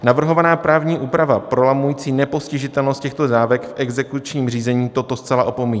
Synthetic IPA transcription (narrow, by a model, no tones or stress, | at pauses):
navr̩ɦo̞vanaːpɾʔaːvɲiːʔuːpɾavapɾo̞lamujiːt͡siːnɛpo̞scɪʒɪt̪ɛlnost̪cɛxt̪o̞zaːvɛkfʔɛɡzɛkut͡ʃɲiːmr̝iːzɛɲiːt̪o̞t̪o̞st͡sɛlaʔo̞pomiːɲ